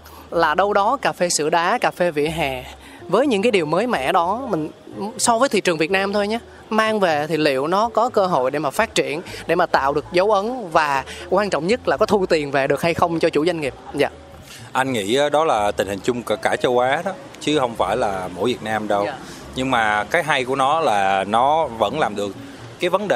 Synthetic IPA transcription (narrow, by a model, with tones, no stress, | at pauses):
laː˨˩ɗə˧wɗɔ˨˦kaː˨˩fe˧sɨ̰˧˨əɗaː˨˦kaː˨˩fe˧vḭ˧˨əɦɛ˨˩ | vəː˨˦jɲɨ̰˧˥ŋkaː˨˦jɗi˨˩əwməː˨˦jmɛ̰˧˨ɗɔ˨˦mï˨˩ŋ̟ | sɔ˧vəː˨˦jt̪ʰḭ˧˨t͡ɕɨ˨˩ŋvi˨˩t̚naː˧mt̪ʰo˧jɲaː˨˦ | maː˧ŋve˨˩t̪ʰi˨˩lḭ˧˨əwnɔ˨˦kɔ˨˦kəː˧ɦo̰˧˨jɗe˧˩maː˨˩faː˦˥t̚t͡ɕi˧˨ənɗḛ˧˩maː˨˩t̪a̰ː˧˨wɗɨ˨˩ək̚zə˨˦wʔə˨˦nvaː˨˩kwaː˧nt͡ɕɔ̰˧˨wŋ͡mɲə˦˥t̚laː˨˩kɔ˨˦t̪ʰu˧t̪i˨˩ənve˨˩ɗɨ˨˩ək̚ha˧jxə˧wŋ͡mt͡ɕɔ˧t͡ɕṵ˧˩zwa˧jŋŋi˨˩əp̚za̰ː˧˨ | ʔa˧jŋ̟ŋḭ˧˥˧ɗɔ˨˦laː˨˩t̪ï˨˩ŋ̟hï˨˩ŋ̟t͡ɕʊ˧ŋ͡mkːkaː˧˩t͡ɕə˧wʔaː˨˦ɗɔ˨˦ | t͡ɕɨ˨˦hə˧wŋ͡mfaː˧˩jlaː˨˩mo̰˧˥˩jvi˨˩t̚naː˧mɗə˧w | ɲɨ˧ŋmaː˨˩kaː˨˦jɦa˧jku˧˩ənɔ˨˦laː˨˩nɔ˨˦və̰˧˥nlaː˨˩mɗɨ˨˩ək̚ː | aː˨˦jvə˨˦nɗe˨˩